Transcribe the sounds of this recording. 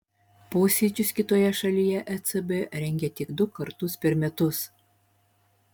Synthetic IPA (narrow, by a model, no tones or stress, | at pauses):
poːsʲid͡ʒʲʊskʲɪt̪oːjɛʃɐlʲijɛʔɛt͡ssɨbɨɾʲɛŋʲɡʲɛt̪ʲɪkd̪ʊkɐɾt̪ʊspʲɛɾmʲɛt̪ʊs